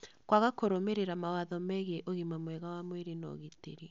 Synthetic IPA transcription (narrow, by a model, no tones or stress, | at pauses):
kwaɣakoɾomeɾeɾamawaðɔmɛɣeʔoɣimamwɛɣawamweɾenɔ̰ɣeteɾi